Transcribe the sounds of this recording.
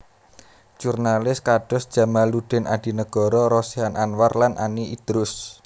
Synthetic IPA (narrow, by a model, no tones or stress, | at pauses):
ʒ̥urnalɪskaɖ̥ɔ̤sd̥ʒ̥a̤maluɖ̥ɛ̤nʔad̥i̤nəɡ̥ɔ̤ɾɔɾɔsiɦanʔanwarlanʔa̰niʔid̪̥ɾʊs